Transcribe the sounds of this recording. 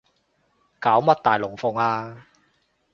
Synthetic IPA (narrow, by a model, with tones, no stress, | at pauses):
kaː˨˥wmɐ˥t̚t̪aː˨jlʊ˨˩ŋfʊ˨˩ŋaː˧